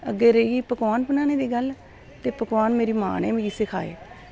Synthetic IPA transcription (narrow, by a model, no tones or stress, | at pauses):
əɡːeːɾəiiːpəkʋaːnpənaːneːd̪iːɡəl | t̪eːpəkʋaːnmeːɾiːma̰ːnɛ̰ːmeːiːsɪkʰa̰ːḛː